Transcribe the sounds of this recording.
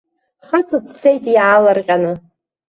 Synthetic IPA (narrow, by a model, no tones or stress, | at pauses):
χat͡sʼɨt͡sʰsejtʼjʕalarqʲʼanɨ